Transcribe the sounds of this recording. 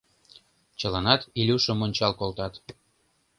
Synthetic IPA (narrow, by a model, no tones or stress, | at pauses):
t͡ɕəlɑnɑt̪ilʲuʃə̆monʲt͡ɕɑlkolt̪ɑt̪